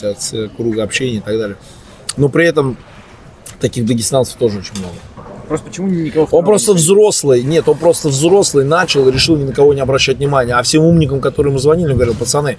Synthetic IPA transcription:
at̪sɨkɾuɡəɐpɕːenʲɪəɪt̪ɐɡd̪alʲɪjə | no̞pɾʲɪɛt̪əm | t̪ɐkʲiɣd̪əɡʲɪst̪anə̥ft̪o̞ʐɨo̞t͡ɕɪnʲmno̞̰ɡəpɾost̪əpət͡ɕɪmunʲɪkɐvoo̞npɾo̞st̪əvzɾo̞slˠɨjnʲe̞t̪o̞npɾo̞st̪əvzɾo̞slˠɨjnat͡ɕɪlˠɨɾʲɪʂɨlˠnʲɪnəkɐvo̞nʲɪɐbɾɐɕːætʲnʲɪmanʲɪjəɐfsʲe̞mumnʲɪk̬əmkɐt̪o̞ɾɨjmɨzvɐnʲilʲɪɡəvɐɾʲilˠpət̪sɐnɛ

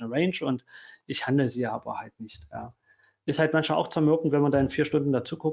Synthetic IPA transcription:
nəʁɛɪnt͡ʃʊntʔɪçhandl̩əziːa̰ːbɐ̰haltnɪçtja̰ː | ʔɪsthaltmançmaːlʔaʊxt͡sːɐmʏɐbn̩tv̥ɛnmandanɪnfiːɐʃtʊndn̩dat͡suːkʰʊk

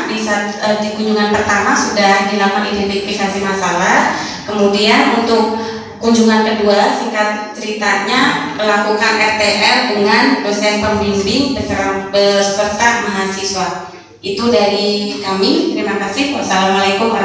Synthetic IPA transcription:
disat̪ədikuɲd͡ʒuŋanpərt̪amasudahdilamanidɛnt̪ifikasihmasalah | kəmudianunt̪ʊk̚ː | uɲd͡ʒuŋankəduasikat̪̚t͡ʃəɾit̪aɲakəlakukanʔɛrt̪eʔɛlduŋanposɛspəmbindɪŋbəkəɾaŋbəsə̥pərt̪aʔ̚maɦasiswa | it̪udaɾikamit̪əɾimakasɪhwasalamalekʊm

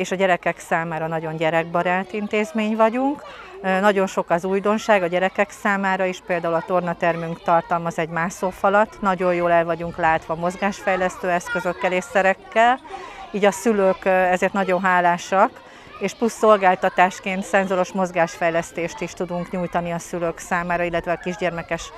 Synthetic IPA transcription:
eːʃɒɟɛɾɛkɛksaːmaːɾɒnɒɟo̞ɲɟɛɾɛɡ̚bɒɾaːt̪int̪eːzmeːɲvɒɟuŋk | nɒɟo̞nʃo̞kɒzuːjd̪o̞nʃaːɡɒɟɛɾɛkɛksaːmaːɾɒiʃpeːld̪aːulɒt̪o̞rnɒt̪ɛrmyŋkt̪ɒrt̪ɒlmɒzɛɟmaːʃsofɒlɒt̪ːnɒɟo̞jjoːlɛlvɒɟuŋklaːt̪ʋɒːmo̞zɡaːʃfɛjlɛst̪øːɛskøzø̞kːɛleːsɛɾɛkːɛliːɟɒsyløːkɛzeːrt̪nɒɟo̞nɦaːlaːʃɒk | eːʃplusːo̞lɡaːlt̪ɒt̪aːʃkeːnt̪sɛnzoɾo̞ʃmo̞zɡaːʃfɛjlɛst̪eːʃt̪iʃt̪ud̪uŋkɲuːjt̪ɒniɒsyløːksaːmaːɾɒilːɛt̪ʋɛɒkiʒɟɛrmɛkɛʃ

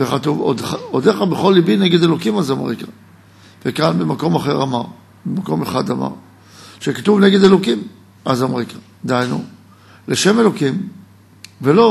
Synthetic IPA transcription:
veχat̪uvodaod̪eχabeχo̞lːibineɡe̞delo̞kimazomʁḭkḁ | vekanbemako̞maχe̞ʁamaʁ | bemako̞meχad̪ama̰ʁ | ʃekat̪uvneɡed̪elokim | azamʁikʰḁ | d̪eajnu | leʃe̞me̞lo̞kim | velo

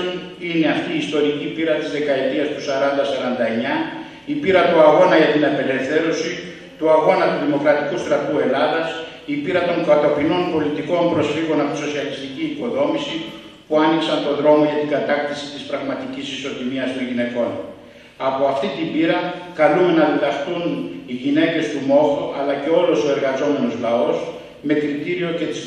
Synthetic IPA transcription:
ine̞ɐft̪iːst̪o̞ɾicipiɾɐt̪izðe̞kɐe̞t̪iɐst̪usɐɾɐnd̪ɐsɐɾɐnd̪ɐe̞ɲɐ | ipiɾɐt̪uɐɣo̞nɐʝɐt̪inɐpe̞le̞fθe̞ɾo̞si | t̪uɐɣo̞nɐt̪uðimo̞kɾɐt̪i̥kust̪ɾɐt̪ue̞lɐðɐs | ipiɾɐt̪o̞ŋkɐt̪o̞pino̞npo̞lit̪iko̞mpɾo̞sfiɣo̞nɐpoiso̞siɐlist̪iciːko̞ðo̞misi | puɐniksɐnt̪o̞ðɾo̞mo̞ʝɐt̪iɡɐt̪ɐkt̪isi̥t̪ispɾɐɣmɐt̪icisiso̞t̪imiɐsmoʝine̞ko̞n | ɐpo̞ɐft̪it̪imbiɾɐkɐlume̞nɐðelɐxt̪uniʝine̞ce̞st̪umo̞θoʔɐlɐce̞o̞lo̞so̞e̞ɾɣɐzo̞me̞no̞zlɐo̞s | me̞kɾit̪iɾio̞ce̞t̪iz

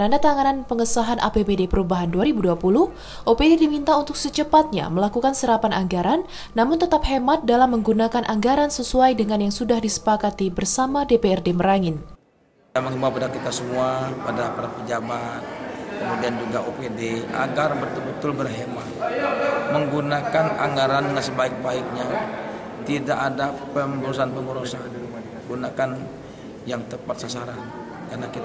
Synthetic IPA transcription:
ənadat̪aŋananpəŋəsaɦanʔa̰pebedepəɾubaɦanduaɾibuduapulʊh | ʔopededimint̪aunt̪ʊk̚sət͡ʃəpat̪̚ɲa̰məlakukansəɾapanʔa̰ŋɡaɾanː | amʊnt̪ət̪ap̚hemat̪̚dalamːəŋɡunakanʔaŋɡaɾansəsuajdəŋanjaŋsudahdisə̥pakat̪ibərsamadepeɛrdeməɾaŋɪn | aməŋɦimapadakit̪asəmuapadapaɾapəd͡ʒabat̪̚kəmudiand͡ʒuɡaopedea̰ɡarbət̪ubət̪ʊlbərɦema | məŋɡunakana̰ŋɡaɾandəŋansəbaɪk̚baɪk̚ɲa | t̪idaʔːdapəməɾos̬anpəməɾosan | ɡunakan | jaŋt̪əpat̪̚sasaɾan | karnakit̪

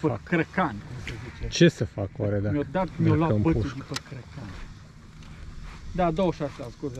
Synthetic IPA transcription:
pəkɾəkanʲkumsəzit͡ʃet͡ʃesəfakwaɾed̪amiod̪at̪miolampəuuipəkɾəkanʲ | d̪ad̪oʃasasɡoz

